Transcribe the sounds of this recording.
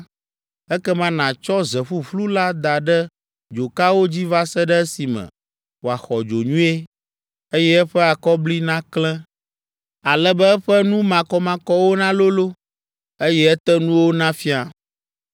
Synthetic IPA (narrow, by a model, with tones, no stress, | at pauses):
ɛ˦kɛ˦mã˦nã˨t͡ʃɔ˦zɛ˨ɸu˦flu˦la˦d̪a˨ɖɛ˦ | d͡ʒo˨ka˦wo˦d͡ʑi˦va˦sɛ˦ɖɛ˦ɛ˦si˨mɛ̰̃˨ | wo˨a˨xɔ˨d͡ʒo˨ɲũ˦e˦ | e˦jɛ˦ɛ˦ɸɛ˦a˨kɔ˦bli˦nã˦klɛ̃˦ | a˨lɛ˦bɛ˦ɛ˦ɸɛ˦nũ˦mã˨kɔ˦mã˨kɔ˦wo˦nã˦lo˦lo˦ | e˦jɛ˦ɛ˦t̪ɛ˦nũ˦wo˦nã˦fi˦a˨